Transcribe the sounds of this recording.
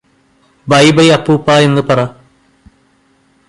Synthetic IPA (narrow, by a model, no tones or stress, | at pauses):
bɐjbɐjɐpːuːpːaːe̞nːɨpɐra